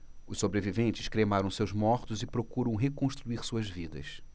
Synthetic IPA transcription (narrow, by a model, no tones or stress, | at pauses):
ʊʃsːobɾevivẽnt͡ʃɪ̥ʃkɾemaɾɐ̃w̃sewzmɔɾt̪ʊzɪpɾokuɾɐ̃w̃ɦekõʃt̪ɾuiɾsuɐzvid̪ɐ̰s